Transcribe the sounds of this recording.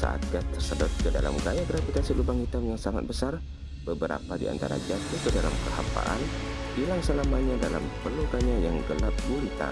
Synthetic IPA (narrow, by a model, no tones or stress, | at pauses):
sa̰ʔa̰t̪̚ɡat̪ərsəbʊt̪̚kəda̰la̰mɡajaɡɾafit̪asilubaŋit̪amjaŋsaŋa̰t̪̚bəsar | b̥əbəɾa̰padia̰nt̪a̰ɾa̰d͡ʒat̪ukədalamkəha̰pa̰ʔanbilaŋsəlamaɲadala̰mpərluɡaɲajaŋɡəlat̪̚ɡunit̪a̰